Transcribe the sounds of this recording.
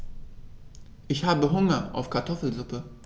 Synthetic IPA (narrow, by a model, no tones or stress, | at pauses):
ʔɪçhaːbəɦʊŋɐʔa̰ʊfkʰaɐtʰɔfl̩zʊpə